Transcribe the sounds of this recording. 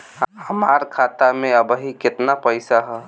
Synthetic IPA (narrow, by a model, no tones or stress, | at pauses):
həmaɾkʰat̪amẽəbəɦikɪt̪napəɪsaɦɛ